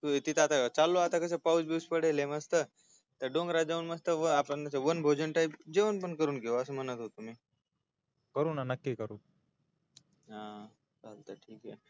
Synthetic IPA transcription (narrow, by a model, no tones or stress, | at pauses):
ut̪it̪ʰeat̪at͡salːoat̪akəs̬epaud͡zbuspəɽeleməst̪ə | t̪əɾɖõŋɡɾad͡ʑaunməst̪əʋəapənt̪aseʋənbʱod͡ʑənʈajpd͡ʑeʋənpəɳkəɾuːnɡeoəsəmənət̪ɦot̪umiː | kəɾuːnanəkːikəɾuː | ɦã | t͡salt̪əʈʰiːkḛ